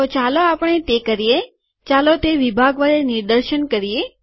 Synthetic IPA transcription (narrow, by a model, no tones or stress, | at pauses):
ot͡ʃaloapəɳ̃et̪ekəɾije | t͡ʃalot̪eʋibʱaɡʋaɾenɪɾd̪əɾʃənkəɾije